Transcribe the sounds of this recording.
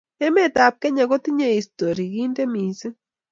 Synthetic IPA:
e˦me˦t̪a˨˧p̚ke˦ɲa˧ɡo˦t̪i˦ɲe˨ist̪o˨ɾi˨ɡi˦nd̪e˦mi˨sɨ˦

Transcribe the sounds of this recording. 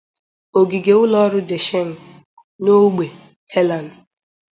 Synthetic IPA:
o˨ɡi˨ɡe˨ʊ˦lɔ˦ɾʊ˦de˨ʃe˦ŋ̩˨ | no˦ɡ͡be˨ | he˦la˨n˨

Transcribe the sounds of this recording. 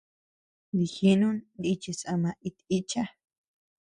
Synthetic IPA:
ɾi˨xi˦nũ˦ni˧t͡ʃi˧sa˧mã˧ʔi˧t̪i˦t͡ʃa˦

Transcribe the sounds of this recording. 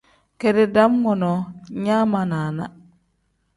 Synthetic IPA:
ke˦dɛ˦da˦mŋɔ˨nɔ˨ɲaː˦ma˨naː˨na̰˦

